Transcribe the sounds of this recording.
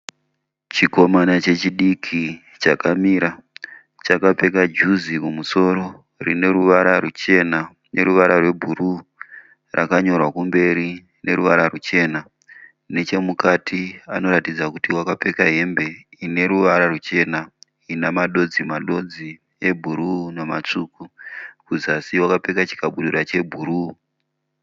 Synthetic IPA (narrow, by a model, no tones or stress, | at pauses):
t͡ʃiko̞manat͡ʃe̞t͡ʃiɗikʰi | t͡ʃakamiːɾa | t͡ʃakape̞kad͡ʒuzikumuso̞ɾo̞ | rine̞ɾuʋaɾarut͡ʃe̞na | ne̞ɾuʋaɾarwe̞bʱuru | rʔa̰kaɲo̞rwakumbe̞ɾi | ne̞ruʋaɾarut͡ʃe̞ːna | ne̞t͡ʃe̞mukatʰiano̞ɾatid͡zakutiwakape̞kaɦe̞mbe̞ine̞ɾuʋaɾarut͡ʃe̞na | inamaɗo̞d͡zimaɗo̞d͡zi | je̞bʱuɾunomat͡ʂukukuzasiwakape̞kat͡ʃi̥kaɓuɗuɾat͡ʃe̞bʱuɾu